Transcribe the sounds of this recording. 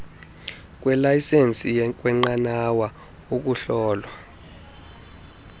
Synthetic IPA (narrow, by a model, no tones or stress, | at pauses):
k̬ʼwɛlajisent͡sʼijɛk̬ʼwɛŋ͡ǃanawa | uk̬ʼuɬɔːlwa